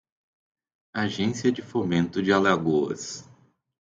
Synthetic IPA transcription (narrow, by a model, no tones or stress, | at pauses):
aʒẽsiɐd͡ʒɪfomẽnt̪ʊd͡ʒɪalaɡoɐ̰s